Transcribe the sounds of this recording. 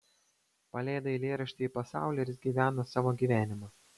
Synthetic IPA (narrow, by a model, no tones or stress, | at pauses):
pɐlʲæːd̪ɐɪlʲeːɾɐʃʲt̪ʲɪːpɐsɑ̰ˑʊlʲeːɾʲɪsʲɡʲiːʋʲæːnoːsɑːʋoːɡʲiːʋʲæːnʲɪmɐ